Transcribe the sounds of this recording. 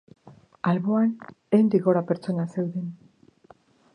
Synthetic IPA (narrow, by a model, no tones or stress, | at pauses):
alβo̞anejnd̪iɣo̞ɾapeɾt͡so̞nase̞wðen